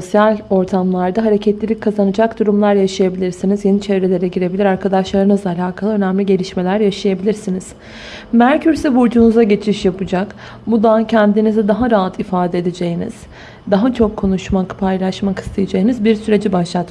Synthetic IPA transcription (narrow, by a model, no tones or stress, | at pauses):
so̞sjalʲo̞ɾt̪ʰamlˠaɾd̪aɦaɾe̞cʰɛt̪lʲilʲic̚kʰːazanɯd͡ʒakd̪uɾumlˠaɾjaʃajabilʲiɾsinizje̞nit͡ʃʰe̞vɾe̞lʲe̞ɾɛɟiɾe̞bilʲiɾaɾkʰad̪aʃlˠaɾɯnɯzalʲaːkʰalˠɯø̞næmlʲiɟe̞lʲiʃme̞lʲæɾjaʃajabilʲiɾsiniz̥ | mæɾcʰyɾsivuɾd͡ʒunuzaɟe̞t͡ʃʰiʃjapɯd͡ʒak | bud̪ancʰɛnd̪inizid̪aɦaɾaːat̪ʰifaːd̪ed̪ed͡ʒe̞jinḭz̥ | d̪aɦat͡ʃʰo̞kʰːo̞nuʃmakpʰajlˠaʃmakʰɯ̥st̪ʰajad͡ʒajɯnɯzbiɾsyɾe̞d͡ʒibaʃlˠat̪